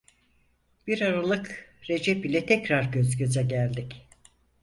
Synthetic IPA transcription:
b̥iɾaɾalˠɯkɾe̞d͡ʒɛpilʲɛt̪ʰɛcɾaɾɟøzɟøzɛɟælʲd̪ic

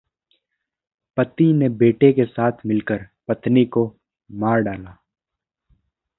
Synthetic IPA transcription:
pɐt̪inebeːʈekesaːt̪ʰmɪlkəɾpɐt̪niko | maːɾɖaːlaː

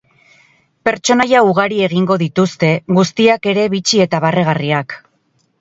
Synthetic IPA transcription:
pe̞ɾt͡ʃo̞najauɣ̞aɾie̞ɣiŋɡo̞ðit̪ust̪e̞ɣust̪iake̞ɾe̞βit͡ʃie̞t̪aβare̞ɣ̞ariak

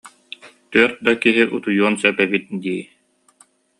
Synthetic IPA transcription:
t̪œɾt̪̚d̪akiɦiʔut̪ujuɔnsœpɛbit̪̚d̪iː

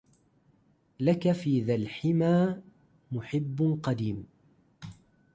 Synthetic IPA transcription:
lakafiːðalħɪmaː | mʊħɪbːqɑd̪iːm

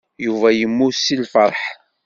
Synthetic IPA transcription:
juvæjəmːʊsilfəɾˤħ

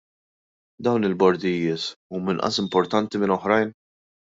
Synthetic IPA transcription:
d̪ɐwnɪlbɔɾd̪ɪjːɪːsuːmɪnʔɐ̰sɪmpɔɾt̪ɐnt̪imɪnɔħɾɐjn

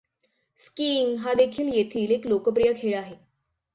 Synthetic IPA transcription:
skiŋɡɦad̪ekʰiːljet̪ʰiːleklokəp̬ɾijəkʰeɭaɦe

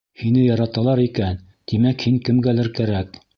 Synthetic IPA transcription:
hinɘjɑɾɑt̪ɑlˠɑɾikæn | t̪imækhiŋkɘ̆mɡælɘɾkæɾæk̚

